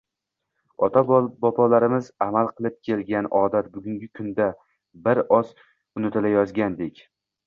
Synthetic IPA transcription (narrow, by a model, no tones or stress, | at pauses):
ɒt̪ʰabbɒpʰɒlaɾɪmɪzamalˠqʰɨlˠɪp̚kʲʰe̞lɡʲanɒːd̪at̪̚bʊɡʲʊŋɡʲɪkʰʊnd̪a | bɪɾɒs | ʊnɪt̪ʰɪlajɒzɡʲand̪ekʲ